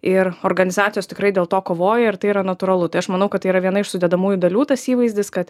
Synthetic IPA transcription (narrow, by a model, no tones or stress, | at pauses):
ɪɾoɾɡɐnʲɪzɑːtt͡s̪ʲsʲjoːst̪ʲɪkɾɐɪd̪ʲeːlˠt̪oːkoːʋoːjɛɪrt̪ɐɪiɾɐnɐt̪uɾɐlˠʊt̪ɐɪɐʃmɐnɐʊkɐt̪ːɐiːɾɐʋʲiɛnɐɪʃsʊd̪ʲɛd̪ɐmuːjʊd̪ɐlʲuːt̪ɐsiːʋɐɪzʲdʲɪskɐt̪